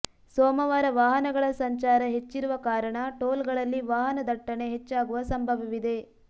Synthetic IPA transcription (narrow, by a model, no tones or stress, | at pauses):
soːmɐʋaːɾɐʋaːɦɐnɐɡɐɭɐsɐɲt͡ʃaːɾɐɦet͡ʃːiɾuʋɐkaːɾɐɳɐʈoːlɡɐɭɐlːiʋaːɦɐnɐd̪ɐʈːɐɳe̞ɦet͡ʃːaːɡuʋɐsɐmbʱɐʋɐʋid̪e̞